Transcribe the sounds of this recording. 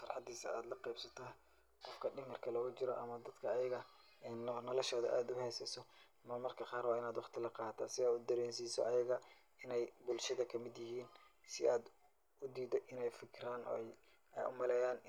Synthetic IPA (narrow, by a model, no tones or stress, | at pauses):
fɑrħɑd̪iːsɐ̰aːd̪lɐqɛjbsɐt̪ʰa | qɔfkʰɐɖɪŋɐrkʰɐlɔːɣʊt͡ʃɪɾɔ̰ʔɐmɐd̪ɐd̪kʰɐːjɐɣɐ | ɛːnːnɐlɐʃɔːðɐ̰ʔaːd̪ʊhɛjsɐjsɔ | mɐmɐrkʰɐqɑːrwɑːɪnaːd̪wɑχt̪ʰɪlɐqɑːt̪ʰaːsɪɛːʊd̪ɐɾɛːnsiːsɔ̰ʔɐjɐɣɐ | ɪnɛjbʊlʃɐðɐkʰɐmɪd̪jɪɦiːnsɪʔaːd̪ | ʊd̪iːd̪ɔʔɪnɛjfɪkʰɪɾaːnɔ̰j | ɛ̰jʊ̰mɐlɛːjaːn